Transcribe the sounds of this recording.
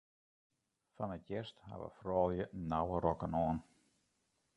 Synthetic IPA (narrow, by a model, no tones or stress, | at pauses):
fanətjɛrstha̰ʋə̰frɔːlˠjənawəɾɔkənɔːn